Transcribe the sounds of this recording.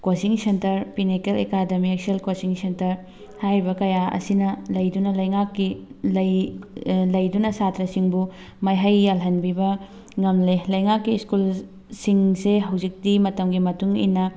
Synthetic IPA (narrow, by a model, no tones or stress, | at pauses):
kosiŋsentɐɾpinikelekademiekselkosiŋsentɐɾ | haɾbɐkɐjaɐ̰sinɐlɐjdunɐlɐjŋakːilɐj | lɐjdunɐsatɾɐsiŋbu | mɐjɦɐjːalɦɐnbibɐ | ŋɐmlelɐjŋakːiːskul | siŋseɦɐwzik̚dimɐtɐmɡimɐtuŋḭnɐ